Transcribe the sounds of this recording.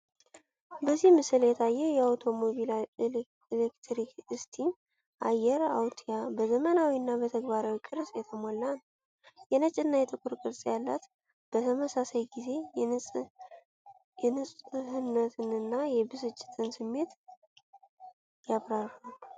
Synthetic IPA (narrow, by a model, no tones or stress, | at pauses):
bəzːihmɨsɨljɛt̪ʰajːɛjɛawt̪ʰo̞mo̞βil | lekt̪ʰɾikɨst̪ʰim | ʔajːɛɾawt̪ʰijabəzəmənawiɨnːabət̪ʰəɡbaɾawikʼɨɾsʼjɛt̪ʰəmo̞lːan | jɛnət͡ʃʼɨnːajɛt̪ʼɨkʼuɾkʼɨɾsʼjalːat̪ | b̥ət̪ʰəməsasajɡize̞ | ɛnɨsʼhɨnːət̪ʰɨnɨnːajɛbɨsɨt͡ʃʼːɪ̥t̪ʰʼɨnsɨmːe̞t̪ | jaβɾaral